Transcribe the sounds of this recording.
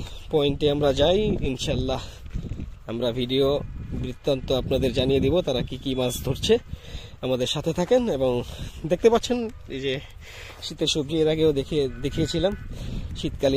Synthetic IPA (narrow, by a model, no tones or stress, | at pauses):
pɔeɳʈeamɾad͡ʑajinʃalːa | amɾabʱiɖiobɾit̪ːant̪oapnad̪eɾd͡ʑanijed̪ibot̪aɾakikimasd̪ʱoɾt͡ɕʰeamad̪eɾʃat̪ʰet̪ʰakeneboŋd̪ek̚t̪epatːt͡ɕʰen | d͡ʑe | ʃit̪eɾʃob̚d͡ʑoeɾaɡeod̪ed̪ekʰijet͡ɕʰilamʃit̪kali